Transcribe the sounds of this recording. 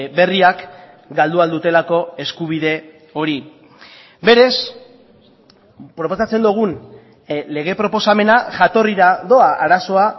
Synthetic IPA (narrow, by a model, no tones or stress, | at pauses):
be̞riak | ɡald̪uald̪ut̪e̞lako̞e̞skuβ̞ið̞e̞ | o̞ɾi | be̞ɾe̞s | pɾo̞po̞sat͡se̞nd̪uɣ̞un | le̞ɣ̞e̞pɾo̞po̞same̞naʝat̪o̞riɾaðo̞aʔaɾaso̞a